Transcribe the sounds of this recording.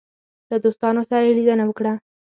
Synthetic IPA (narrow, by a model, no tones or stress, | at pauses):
lad̪ost̪ɑnosaɾajelid̪ənawəkɽa